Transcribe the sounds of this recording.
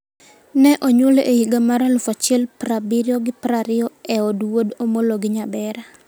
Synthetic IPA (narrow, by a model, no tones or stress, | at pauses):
nɛʔoɲoleʔejiɡamaɾalʊfat͡ʃɪɛlpɾabiɾjɔɡɪpɾaɾɪɔɛɔdwodomoloɡɪɲabɛɾa